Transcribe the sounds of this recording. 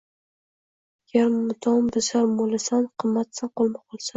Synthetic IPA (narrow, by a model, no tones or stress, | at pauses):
jaɾmmʊt̪ʰɒmbɪsaɾmolˠasanqʰɨmːat̪sanqolˠmaqʰɒlˠsa